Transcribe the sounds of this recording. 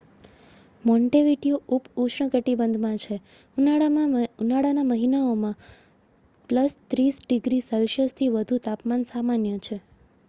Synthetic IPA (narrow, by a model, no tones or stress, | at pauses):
mɔɳʈeʋiʈioʔupuʃɳəkəʈibənd̪ʱmãt͡ʃʰe | unaɽamãunaɽanaməɦinaomã | pləst̪ɾisɖiɡɾisəlʃəst̪ʰiʋəd̪ʱut̪apmansamanjət͡ʃʰe